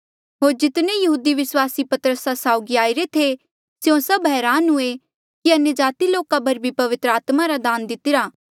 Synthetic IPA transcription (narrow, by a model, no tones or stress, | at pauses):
ɦoːɾd͡ʒɪt̪nẽjɐɦuːd̪iʋɪswaːsipɐt̪ɾəsasaːʊɡiaːiɾet̪ʰe | sjõsɐbɦɛːɾaːnɦʊe | kiɐnjəd͡ʒaːt̪iloːkabɐɾbʱipɐʋɪt̪ɾəaːt̪maɾad̪aːnd̪ɪt̪ɪɾaː